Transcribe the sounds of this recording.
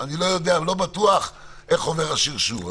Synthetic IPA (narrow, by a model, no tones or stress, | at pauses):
anilo̞jo̞d̪ealo̞bat̪uaχ | ʔe̞χo̞ve̞ʁaʃiʁʃuv